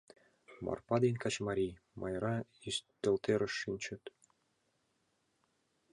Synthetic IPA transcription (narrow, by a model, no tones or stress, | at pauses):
mɑ̰rpɑd̪enʲkɑt͡ɕmɑɾʲij | mʔɑ̰jɾɑiʃt̪ːɘ̆lt̪eɾɘ̆ʃːinʲt͡ɕɘ̆t̪